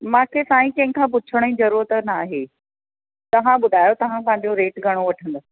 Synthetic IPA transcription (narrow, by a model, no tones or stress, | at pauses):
mãːkʰesaːĩkɐ̃ɦɪ̃kʰãːp̬ʊt͡ɕʰəɽ̃əĩzɐɾuːɾət̪naaːɦe | t̪ɐʋ̤ãɓʊd̪ʱaːjot̪ɐʋ̤ãpɐ̃ɦɪ̃ɲ̆d͡ʑoɾeːʈɡʱɐɽ̃oʋɐʈʰə̃nd̪əs